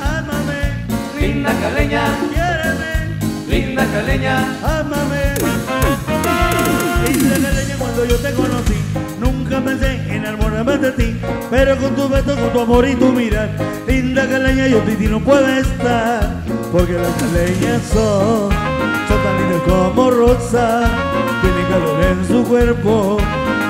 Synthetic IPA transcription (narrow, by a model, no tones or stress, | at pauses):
amame | lind̪akaleɲamjeɾame | lind̪akaleɲa | amame | lind̪akaleɲakwand̪o̞ʝot̪e̞ko̞nosi | nũŋkapens̬eŋenaɾmoɾamed̪et̪i | pe̞ɾo̞ko̞nt̪uzβet̪̬oskont̪uamo̞ɾit̪umiɾaɾ | lind̪akaleɲajop̪it̪inopwe̞ðest̪aɾ | poɾke̞laskaleɲaso | sot̪amẽnt̪ek̪oamo̞rosa | t̪jenekaβoβensukwe̞ɾpo